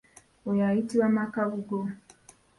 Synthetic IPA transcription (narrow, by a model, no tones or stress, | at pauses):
ɔjaitiwamakavuɡɔ